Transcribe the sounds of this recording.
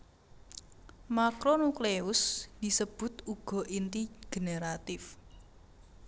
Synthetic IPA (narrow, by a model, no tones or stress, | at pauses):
makɾonukleʊsd̪̥i̤səb̥ʊ̤t̪uɡ̥ɔ̤ʔint̪iɡ̥eneɾat̪ɪf